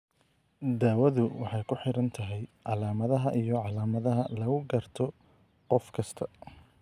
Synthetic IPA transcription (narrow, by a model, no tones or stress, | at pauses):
d̪aːwɐðʊwɑħɑjkʰʊħɪɾɐnt̪ʰɐɦɛjʕɑlaːmɐðɐɦɐʔijɞʕɑlaːmɐðɐɦɐlɐɣʊɡɐrt̪ʰɔ | qɔfkʰɐst̪ʰɐ